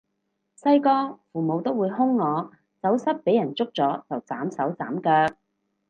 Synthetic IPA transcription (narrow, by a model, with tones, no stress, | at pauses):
sɐ˥jkɔː˥fuː˨˩mo˨˧wt̪o˥wːuː˨˧jɦʊ˥ŋŋɔː˨˧ | t͡sɐ˨˥wsɐ˥t̚pe˨˥jɐ˨˩nt͡sʊ˥k̚t͡sɔː˨˥t͡sɐ˨wt͡saː˨˥msɐ˨˥wt͡saː˨˥mkœː˧k̚